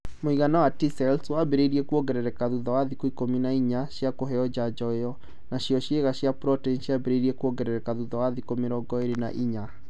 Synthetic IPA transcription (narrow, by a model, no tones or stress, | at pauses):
moiɣanawatisɛlswabeɾeiɾiɛkuɔɡɛɾɛɾɛkaðuðɔwaðikoikominaiɲaɕjakoɦɛɔd͡ʑad͡ʑɔejɔ | naɕiɔɕjeɣaɕjapɾɔtɛnɕiabɛɾeiɾiɛkuɔɡɛɾɛɾɛkaðuðɔwaðikomeɾɔɡɔeɾena̰ʔiɲa